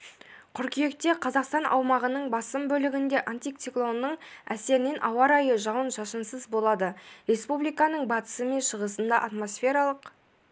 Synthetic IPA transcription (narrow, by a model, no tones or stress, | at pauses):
qʰʊɾkʲʰije̞k̚t̪e̞qʰɑzɑqst̪ɑnʔɑ̰wmɑʁənəɴbɑsəmbɵlɪɡʲɪnd̪e̞ʔant̪ikt̪siklˠo̞nːəɴæse̞ɾɪne̞nʔɑwɑɾɑjəʒɑwənʒɑʃənsəzbo̞lˠɑd̪əɾe̞spublijkɑnəɴbɑt̪ə̥səme̞nʃəʁəsənd̪ɑʔat̪mo̞sfʲe̞ɾɑlˠəq